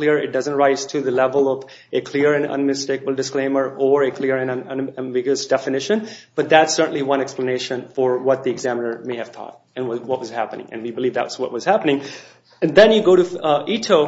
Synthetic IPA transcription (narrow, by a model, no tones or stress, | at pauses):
lɪɹɪ̰t̚d̥ʌzə̃ntɹaɪz̥tʰɨðɨlɛvəlˠʌv | ɨkʰl̥ɪɹɨ̃nʌ̰̃nmɨsteɪkəbəl̩ˠdɨsklẽɪ̃mə˞əɹɨkʰl̥ɪɹɨ̃nʌ̃nə̃nvɪɡjəsd̥ɛfɨnɪʃɨ̃nb̥ʌt̪̚ðætsɜ˞ʔn̩liwʌ̃nɛkspləneɪʃə̃nfə˞wʌt̪̚d̪iɨɡzæmənə˞meɪɨv̥t̪ʰɔ̰t̚ | ɨ̃nwʌwʌt̚wʌz̥hæpənɪ̰̃ŋɨ̰̃nwibɨlivðæ̰t̚wzwʌ̰t̚wʌz̥hæpənɪ̃ŋ | ɨ̃nðɛ̃njɨɡoʊɾɨʔitʰoʊ